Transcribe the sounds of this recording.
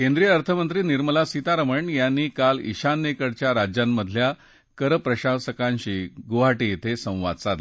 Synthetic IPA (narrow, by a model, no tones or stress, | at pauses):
kẽnd̪ɾijəəɾt̪ʰəmənt̪ɾiːniɾməlasit̪aɾəməɳjanːiːkalḭɕanːekəɽt͡ɕjaɾad͡ʑjamːəd̪ʱlja | kəɾəpɾəɕasəkãɲɕiːɡuɦaʈiet̪ʰesə̃w̃ʋa̰d̪t͡sa